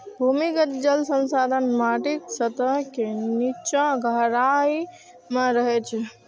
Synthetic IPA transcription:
bʱumikət̪d͡ʒəlsə̃nsad̪ʱənmaʈiksət̪əɦkenit͡ʃãɡʱəɾaj | mẽɾəɦɛt͡ʃʰɛ

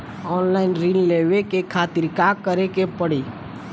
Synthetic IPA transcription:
ɔːnlaːɪnɾinleːʋekekʰaːt̪ɪɾkakːəɾekepəɽiː

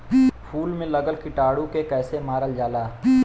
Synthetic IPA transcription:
pʰuːlmẽlɐɡəlkɪʈaːɽũkekɛːsemaːɾəld͡ʒaːlaː

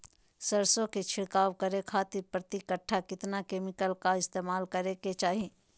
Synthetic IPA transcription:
sɐɾsõket͡ʃʰɪɽkaːʋkɐɾekʰaːt̪ipɾɐt̪ikəʈʰːakɪt̪nakeːmɪkəlkaɪst̪eːmaːlkɐɾeket͡ʃaːɦĩ

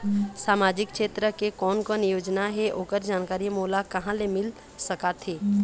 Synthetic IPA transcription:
saːmaːd͡ʒɪkkʃeːt̪ɾəkekɔːnkɔːnjoːd͡ʒnaɦɛʔoːkəɾd͡ʒaːnkaːɾimoːlakɐɦãlemɪl | səkat̪ʰeː

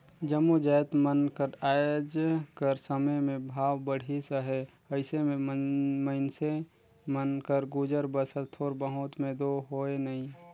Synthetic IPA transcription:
d͡ʒəmod͡ʒɛːt̪mənkəɾaːjod͡ʒkəɾsəməjmẽbʱaːwbəɽ̤ʱisəɦe | əɪsemẽmməɪnse | mənkəɾɡud͡ʒəɾbəsəɾt̪ʰoːɾbəɦʊt̪mẽd̪oɦoːenəɦĩ

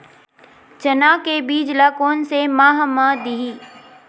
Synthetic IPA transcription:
t͡ʃɐnaːkebiːd͡ʒlakoːnsemaːɦmãd̪iɦiː

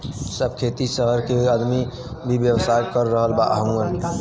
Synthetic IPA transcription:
səb̚kʰet̪isəɦəɾkeəd̪mi | bʱibjəbsajkəɾːəɦəlbaʔɦəmən

